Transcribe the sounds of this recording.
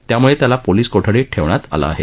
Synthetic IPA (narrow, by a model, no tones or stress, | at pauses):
t̪jamuɭet̪jalapoliːskoʈʰəɽeʈʰeʋɳ̃at̪a̰la̰ːɦḛ